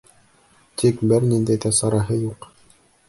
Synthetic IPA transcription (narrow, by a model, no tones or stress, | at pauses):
t̪ʰikbɘɾnind̪æjðæsɑɾɑɦɤjuq